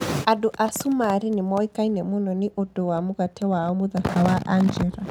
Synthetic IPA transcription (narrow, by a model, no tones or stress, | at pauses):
adoʔasumaɾinɪmɔikainɛmonɔnɪʔodowamoɣatʰɛwaɔmoðakawaʔand͡ʒɛɾa